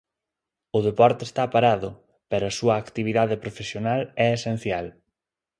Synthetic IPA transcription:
ʊðepɔɾt̪eːst̪apaɾaðʊ | pɛɾoɐsuɐːkt̪iβ̞iðaðepɾofesjonalɛesen̟θjal

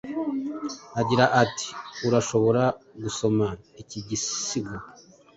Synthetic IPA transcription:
aɟiɾaʔatʰi̥uɾaʃo̞βo̞ɾaɡuso̞maiciɟissiɡu

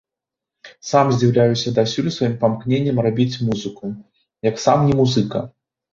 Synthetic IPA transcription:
samzʲd͡zʲiwlʲajɛsʲɐd̪asʲulʲsvajimpamknʲenʲːɐmrabʲit͡sʲmuzɨku | jɐksamnʲɛmuzɨkɐ̰

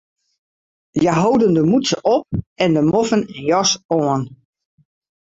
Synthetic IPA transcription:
jaɦowdəndəmusə̰ʔɔp̚ɛndəmofənɛnjɔsoən

